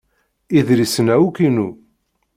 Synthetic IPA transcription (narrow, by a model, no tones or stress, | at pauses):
iðɾisənæwukinu